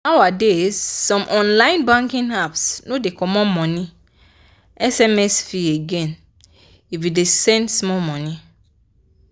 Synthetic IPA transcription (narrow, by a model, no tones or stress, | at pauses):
awadezːɔ̃mʔɔ̃nlãj̃nbãŋkĩnhapsnodekɔmɔmɔ̃ni | ɛsɛmɛsfieɡɛ̃n | ifidesɛ̃ndsmɔmɔ̃nĩ